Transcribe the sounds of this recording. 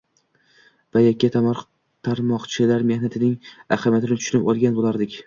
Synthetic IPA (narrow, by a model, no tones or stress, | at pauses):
vajakʲːat̪ʰamɒɾ | t̪ʰaɾmɒqt͡ʃʰɪlaɾme̞hnat̪ʰɪnɪŋaχamjat̪ʰɪnɪt̪ʰʊ̥ʃnɪpolˠɡʲanbolˠaɾd̪ɪkʲ